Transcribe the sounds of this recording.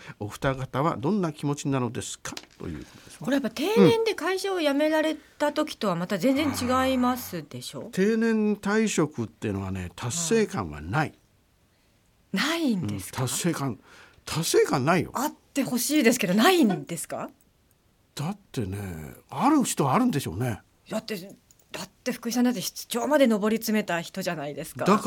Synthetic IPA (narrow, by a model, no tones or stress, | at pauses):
o̞ɸɯ̟̥t̪aɡat̪aβa̰d̪õ̞nːakʲimo̞t͡ɕinano̞d̪e̞sɨ̥kʰḁt̪o̞̰jɯ̟̰ːkot̪od̪esko̞ɾe̞jap̬ːat̪e̞ːnẽ̞nd̪e̞kaiɕaojame̞ɾaɾe̞tt̪at̪o̞kʲi̥t̪o̞βamat̪azẽ̞nd͡zẽ̞ɲ̟t͡ɕiɡaimasɨd̪e̞ɕo̞̰ːt̪ʰe̞ːnẽ̞nt̪aiɕo̞kɯ̟t̪ːe̞jɯno̞βane̞̰t̪ʰase̞ːkãɰ̃βa̰nai | naind̪̃ẽsɨ̥t̪ʰasːe̞ːkãn | t̪ʰasːe̞ːkãnːaijo̰at̪ːe̞ho̞ɕiːd̪e̞sɨ̥ke̞d̪o̞naind̪e̞sɨ̥ka̰ | d̪̥at̪ːe̞nḛaɾɯ̟çi̥t̪o̞βaːɾɯ̟̃nd̪e̞ɕo̞̰ːne̞ | d̪̥at̪ːe̞ | d̪̥at̪ːe̞ɸɯ̟̥kɯ̟çis̬and̪at̪ːeçi̥t͡sɨ̥t͡ɕo̞ːmad̪e̞no̞bo̞ɾʲit͡sɨme̞t̪açi̥t̪o̞ʑanaid̪e̞sɨ̥kad̪a